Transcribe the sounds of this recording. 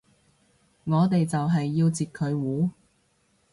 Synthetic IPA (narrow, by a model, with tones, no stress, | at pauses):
ŋɔː˨˧t̪e˨jt͡sɐ˨wɦɐ˨jːiː˧wt͡siː˨t̚kʰɵ˨˧ɥwuː˨˥